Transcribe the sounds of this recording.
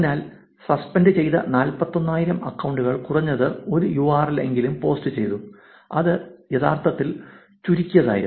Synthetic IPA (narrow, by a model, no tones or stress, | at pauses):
naːl | sɐspɐndɨt͡ɕe̞jt̪ɐ̰naːlpɐt̪ːo̞nːaːjiɾɐmɐkːɐwɳɖuɣɐɭkurɐɲːɐðɨo̞ɾujuaːrile̞̰ŋɡilumpo̞ːstɨt͡ɕe̞jt̪u | ɐðɨjeðʰa̰ːrt̪ʰɐt̪ːil | t͡ɕuɾikʲːujɐða̰ːjiɾ